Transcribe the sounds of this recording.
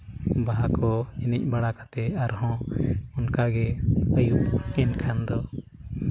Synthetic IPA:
baɦakɔɛnic̚ˀbaɽakat̪ɛaɾɦɔ̃unkaɡɛəjup̚ɛnkʰand̪ɔ

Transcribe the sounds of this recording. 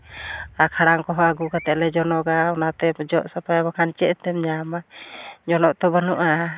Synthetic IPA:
akʰaɽaŋkɔɦɔaɡukat̪ɛʔlɛd͡ʒɔnɔɡaɔnat̪ɛd͡ʒɔʔsapajabɔkʰant͡ʃɛʔt̪ɛmɲamad͡ʒɔnɔʔt̪ɔbənuʔa

